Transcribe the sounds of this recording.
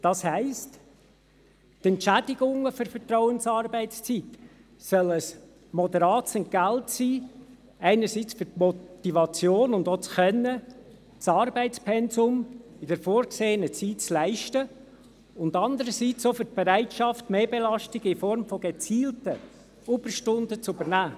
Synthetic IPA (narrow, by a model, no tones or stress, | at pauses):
d̥ɑshæɪst | tɛntt͡ʃæd̥ɪɡʊŋəfʏɾfəɾtrɔwənsɑːrbæɪtt͡st͡sit | sœləs | mɔd̪əɾɑːtsɛntɡ̥æltsiː | æɪnəɾsiːt͡sfʏɾtmɔt̪ivɑt͡sjoːnʊndot͡sxœnːə | t͡sɑɾbɛɪtt͡spʰɛnsʊmɪdɛɾfoːɾkseːənət͡siːtt͡slæɪʃtə | ʊndɑndəɾəsit͡sofʏɾt̚b̥eɾæɪtʃɑftmeːbelɑʃtiɡ̥ɪfɔɾmfɔɡ̥et͡siːltə | ʊb̥əɾʃtʊndət͡sʉbəɾnæː